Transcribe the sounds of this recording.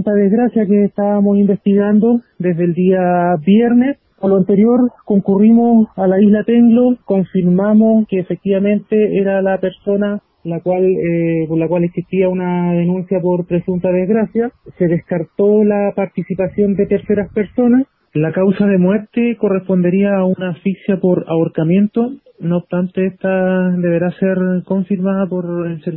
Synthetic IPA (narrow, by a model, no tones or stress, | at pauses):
nt̪aðezɣɾasjakeːst̪aβamo̞simbe̞st̪iɣand̪od̪ezðeld̪iabjeɾne̞s | poloant̪e̞ɾjo̞ɾko̞ŋkurimo̞salaizlat̪eŋɡloko̞ɱfiɾmamoskeːfek̚t̪iβamẽ̞nt̪e̞eɾalape̞ɾso̞na | lakwalepoɾlakwaleksiht̪iaunaðenũnsjapo̞ɾpɾe̞sunt̪aðezɣɾasjase̞ðehkaɾt̪o̞lapaɾt̪isipasjo̞nd̪et̪e̞ɾse̞ɾaspeɾso̞nas | lakawsaðe̞mweɾt̪eko̞respo̞nd̪e̞ɾiaːunafiksjapoɾaoɾkamje̞nt̪o | noːpst̪ant̪eeht̪ad̪e̞βe̞ɾaseɾko̞ɱfiɾmaðapoɾelseɾ